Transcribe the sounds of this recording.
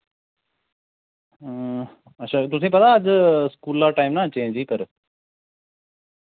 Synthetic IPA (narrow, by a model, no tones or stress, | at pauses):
ɐtːʃʰaːt̪ʊs̬ĩːp̬ɐd̪aəd͡ʑskuːlːaːʈaːɪmnat͡ɕẽːd͡ʑiːpɐɾ